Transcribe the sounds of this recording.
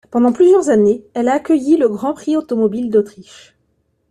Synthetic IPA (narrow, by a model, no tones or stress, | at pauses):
pɑ̃d̪ɑ̃plyzjœʁzaneɛlaːkʲəjiləɡʁɑ̃pχiot̪ɔmɔbild̪ot̪χiʃ